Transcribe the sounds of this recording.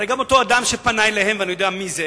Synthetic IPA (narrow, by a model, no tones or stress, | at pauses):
eɡamotoad̪amʃepanajlehemveanujodeamize